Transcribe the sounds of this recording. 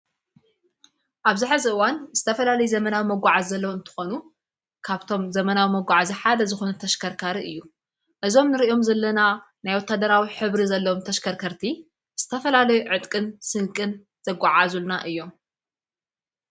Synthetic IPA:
ʔaβzɨħɨzɨʔɨwanz̥ɨt̪ʰɐfɐlalɐjuzɐmɐnawimɐɡʷaʕazːɐlːɐwɨnt̪ʰɨ̥xo̞nu | kʰaβt̪ʰo̞mzɐmɐnawimɐɡʷaʕaziħad̪ɐzɨxo̞nɐt̪ʰɐʃkʰɐɾkʰaɾiʔɨjːu | ʔɨzo̞mnɨɾiʔo̞mzɐlːɐna | najwɔt̪ʰːad̪ɐɾawiħɨβɾizɐlːɐwomt̪ʰɐʃkʰɐɾkʰɐɾt̪ʰi | z̥ɨt̪ʰɐfɐlalɐjuʕɨt̪ʼkʼɨnsɨŋkʼɨn | z̥ɐɡʷːaʕazulnaʔɨjːo̞m

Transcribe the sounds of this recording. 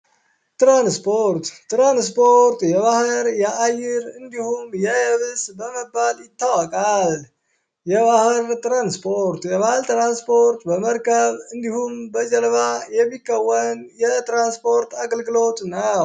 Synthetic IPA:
t̪ɾanspʰoɾt̪ːɾanspʰoɾt̪jɛβahɨɾjaʔajɪɾɨnd̪ihumjɛhəβɨsbəməbːaljɪt̪ːawəkʼal | jɛβahɨɾt̪ʼɾanspʰo̞ɾt̪jɛβahɨlt̪ɾanspʰo̞ɾt̪bəməɾkʰəβɨnd̪ihumbəd͡ʒɛlβajɛmːikʰːəwːənjɛt̪ɾanspʰo̞ɾt̪ʰaɡəlɡɨlo̞t̪ʼnə

